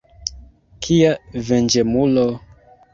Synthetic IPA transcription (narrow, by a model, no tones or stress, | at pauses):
kʰiavɛnd͡ʒɛmulɔ